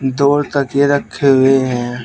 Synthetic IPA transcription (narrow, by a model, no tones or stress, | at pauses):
d̪oːɾt̪əkjeɾəkʰːeɦʊeɦɛ̃ː